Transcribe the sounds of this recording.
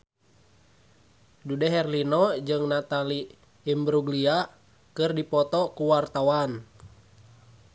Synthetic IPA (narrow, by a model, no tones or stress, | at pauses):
dudɛɦɛrlinɔd͡ʒɨŋnat̪aliː | mbɾuɡlia | kɨrdipɔt̪ɔkuwart̪awan